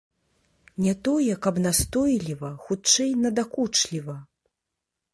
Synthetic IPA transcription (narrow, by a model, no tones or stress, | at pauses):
nʲɛt̪ɔjɛkɐbnast̪ɔjlʲivɐxut͡ʂɛjnɐd̪akut͡ʂlʲivɐ